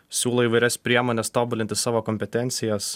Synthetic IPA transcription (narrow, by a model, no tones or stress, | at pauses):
sʲuːlˠoːiːʋɐɪɾʲɛspʲɾʲiɛmoːnʲɛst̪oːbʊlʲɪnʲt̪ʲɪsɑːʋoːkɔmʲpʲɛt̪ʲɛnʲt̪sʲɪjɛs